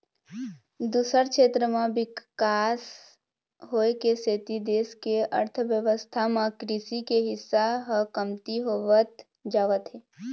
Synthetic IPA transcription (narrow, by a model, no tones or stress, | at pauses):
d̪uːsəɾkʃʰeːt̪ɾəmãbɪkkaːs | ɦoːekeseːt̪id̪eːskeə̰ɾt̪ʰəʋjəʋəst̪ʰamãkɾisikeɦɪsːaɦəkəmt̪iɦoʋət̪ | d͡ʒaːʋət̪ɦeː